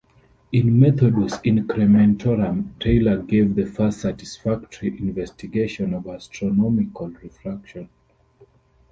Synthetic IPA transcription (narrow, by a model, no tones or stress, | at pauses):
ĩnmɛθɔdisĩŋkʰɹɛmɛ̃ntʰɔɹãmtʰeɪləɡevðəfastsatisfak̚tʰəɹiʔĩnvɛstiɡeʃɔ̃nɔvastʰɹɔnɔmikʰalɹifɹakʃɔ̃n